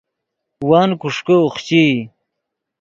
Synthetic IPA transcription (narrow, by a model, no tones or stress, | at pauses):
waːnkuʂkəoχt͡ɕi